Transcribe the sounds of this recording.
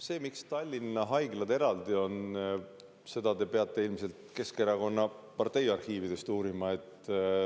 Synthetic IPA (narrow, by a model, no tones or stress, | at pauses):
se̞ːmikst̪ɑlʲːinːɑɦɑjɡlɑd̪eɾɑld̪̥io̞n | se̞d̪̥ɑd̪e̞peɑt̪ːˑe̞ilmise̞lt̪ke̞ske̞ɾɑko̞nːɑpɑrt̪e̞jɑrhiːvid̪̥e̞st̪uːɾimɑe̞t̪ː